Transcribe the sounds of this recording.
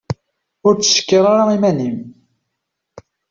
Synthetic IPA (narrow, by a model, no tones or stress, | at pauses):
ʊɾt͡sːə̥ʃə̥kːəɾˤaɾaimænim